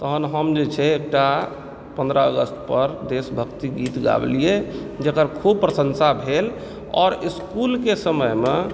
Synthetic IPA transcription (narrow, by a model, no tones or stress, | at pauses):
t̪əɦənɦəmd͡ʒet͡ʃʰɛek̚ʈa | pə̃nd̪ɾəəɡəsʈpəɾd̪esbʱəkt̪iɡit̪ɡa̰blijed͡ʒekəɾkʰub̚pɾəsənsabʱel | ɔ̰ːɾiskulkesəməjme